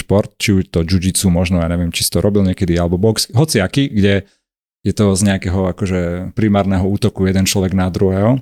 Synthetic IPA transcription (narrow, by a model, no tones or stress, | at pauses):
ʃpɔɾt̪̚t͡ʃiuʃt̪ɔd͡ʒud͡ʒit͡sumɔʒnɔjaːɲɛʋɪɛmt͡ʃi̥si̥t̪ɔɾɔbilɲɪɛkɛd̪ialɛbɔbɔksɦɔt͡siakiɡɟɛ | jɛt̪ɔzɲɛakɛɦɔakɔʒɛpɾimaːɾnɛɦɔuːt̪ɔkujɛd̪ɛnt͡ʃlɔʋɛɡnad̪ɾuɦɛɦɔ